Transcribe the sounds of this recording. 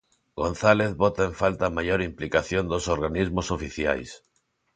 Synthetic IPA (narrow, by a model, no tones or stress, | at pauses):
ɡõnθaleθβot̪aeɱfalt̪amajoɾimplikaθjond̪osoɾɣanizmosofiθja̰js